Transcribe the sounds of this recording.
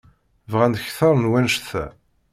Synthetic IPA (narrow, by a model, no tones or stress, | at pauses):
vʁænd̪çθɑɾˤnwænʃθæ̰